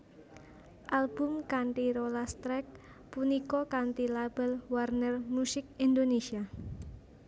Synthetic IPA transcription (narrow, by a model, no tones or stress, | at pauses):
ʔalb̥ʊmkaɳʈiɾolast̪ɾɛk̚ | punikɔkaɳʈ̪ilab̥əlwarnərmusɪk̚ind̪onesia